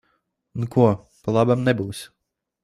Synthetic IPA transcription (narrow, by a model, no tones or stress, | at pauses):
nukuɔ | palˠabamnɛbuːs